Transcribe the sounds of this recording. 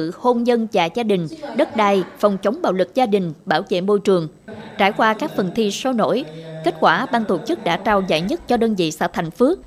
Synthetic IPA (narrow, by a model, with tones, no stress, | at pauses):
ɨ̰˧˨ho˧nzə˧nt͡ɕaː˨˩zaː˧ɗï˨˩ŋ̟ɗə˦˥t̚ɗaː˧˩jfə˨˩wŋ͡mt͡ɕə˨˦wŋ͡mɓa̰ː˧˨˩wlɨ˨˩k̚zaː˧ɗï˨˩ŋ̟ɓaː˧˩wzḛ˧˨nmo˧˩jt͡ɕɨ˨˩əŋ | t͡ɕaː˧˩jkwaː˧kaː˦˥k̚fə˨˩nt̪ʰi˧so˨˦no̰˧˥jke˦˥t̚kwaː˧˩ɓaː˧ŋt̪o˧˩t͡ɕɨ˦˥k̚ɗa̰ː˧˥t͡ɕaː˧˩wza̰ː˧˨jɲə˦˥t̚t͡ɕɔ˧ɗəː˧nvḭ˧˨sa̰ː˧˥t̪ʰa˨˩ŋ̟fɨ˦˥ək̚